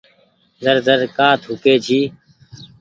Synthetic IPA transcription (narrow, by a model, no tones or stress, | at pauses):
zəɾzəɾkaːt̪ʰʊːkeːd͡ʒʰiː